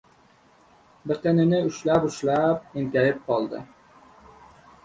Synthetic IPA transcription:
bɪqenɪnɪʊʃlapʊʃlap̚ɪŋk̪ʲajɪp̚qʰɒlˠd̪ɪ̰

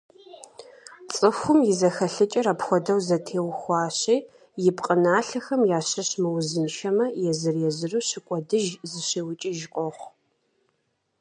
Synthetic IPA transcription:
t͡sʼɨxʷʊmjɪzɐxɐɬɨt͡ʃʼɐɾaːpxʷɔdɐwzɐtʰeːwxʷɑːɕiː | jɪpqʼənaːɬɐxɐmjaːɕɐɕmɨwzɨnʃɐmɐjɛzɨrjɛzɨruːɕɪkʷʼɔdɨʒzɨɕeːwʊt͡ʃʼɪʒqʷʼɔχʷ

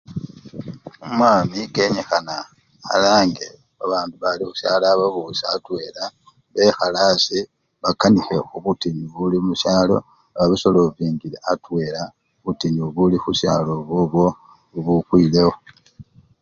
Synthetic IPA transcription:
omwaːmike̞ɲexana | xa̰laːŋɡe | βaβaːnduβalixu̥saːlaːβaβusaːtwe̞ːla | βe̞xalaːsi | βakanixeoβutiɲuβulimusaːlo̞̰ | aβaβiso̞loviːŋɡileatwe̞la | βutiɲuβulixusa̰ːlo̞βoβwo̞ | uβukwiːle̞wo

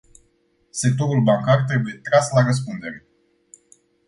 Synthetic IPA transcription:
se̞k̚t̪o̞ɾulbaŋkart̪ɾe̞buje̞t̪ɾaslaɾəs̬pund̪e̞ɾe

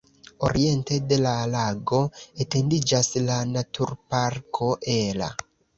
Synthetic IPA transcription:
o̞̰ɾie̞nte̞de̞lalaɡo̞ete̞ndid͡ʒaslanatʰuɾpaɾkʰo̞ʔela̰

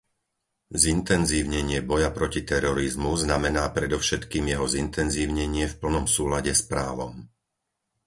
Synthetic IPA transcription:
zint̪ɛnziːʊɲɛɲɪɛbɔjapɾɔcit̪ɛɾɔɾizmuznamɛnaːpɾɛd̪ɔʊʃɛt̪kiːmjɛɦɔzint̪ɛnziːʊɲɛɲɪɛfpl̩nɔmsuːlaɟɛspɾaːʋɔm

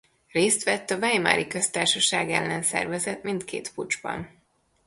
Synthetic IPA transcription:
reːst̪ʋɛt̪ːɒvɛjma̰ːɾʔikø̞st̪aːrʃɒʃaːɡɛlːɛnsɛ̰rvɛzɛt̪mint̪kḛːt̪pud͡ʒbɒ̰n

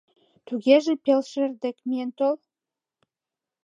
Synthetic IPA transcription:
t̪uɣeʒĕpelʃerd̪ekmijent̪ol

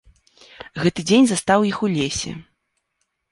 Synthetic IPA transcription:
ɣɛt̪ɨd͡zʲenʲzast̪awjixulʲesʲɛ̰

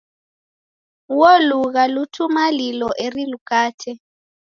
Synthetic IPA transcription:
woluɣalutʰumalilɔʔerilukʼaːtʰɛ

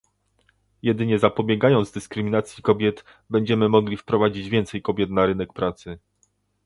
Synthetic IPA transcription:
jɛd̪ɘɲɛzapɔbʲjɛɡajɔnzd̪ɘskɾɘmʲinat̪sʲjikɔbʲjɛt̪ | bɛɲd͡ʑɛmɘmɔɡlʲifpɾɔvad͡ʑid͡ʑvʲjɛnt̪sɛjkɔbʲjɛt̪naɾɘnɛk̚pɾat̪sɘ

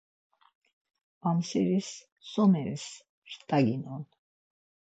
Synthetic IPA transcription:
amsɛɾis | sɔnɛɾis | ɾt̪ʼaɡinɔn

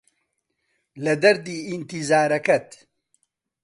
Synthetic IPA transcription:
lɐd̪ɐɾd̪iːint̪izaːɾɐkɐt̪

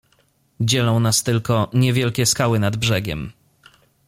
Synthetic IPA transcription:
d͡ʑɛlɔ̃w̃nast̪ɘlkɔɲɛvʲjɛlkʲɛskawɘnad̪bʐɛɡʲɛ̰m

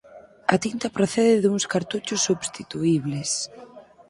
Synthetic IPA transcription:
ɐt̪int̪ɐpɾoθɛðɪðuŋskaɾt̪ut͡ʃʊsːuβst̪it̪uiβles

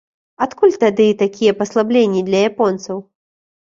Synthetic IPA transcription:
at̪kulʲt̪ad̪ɨit̪akʲijɛpɐslˠablʲenʲːid̪lʲɐjapɔnt̪sɐw

